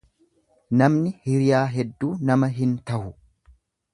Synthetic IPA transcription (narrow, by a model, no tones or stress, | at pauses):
nɐmnɪhɪɾɪjaːɦɛd̪ːuːnɐmɐɦɪnt̪ɐhʊ